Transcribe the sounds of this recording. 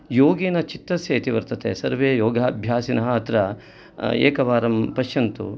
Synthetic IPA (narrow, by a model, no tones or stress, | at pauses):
joːɡiːnɐt͡ʃit̪ːɐsjɐɐt̪iʋɐɾt̪ɐt̪eːsɐɾʋeːjoːɡʱaːbʱjaːsinɐɦɐɐt̪ɾɐ | ḛːkɐʋaːɾɐmpɐʃjɐnt̪ṵ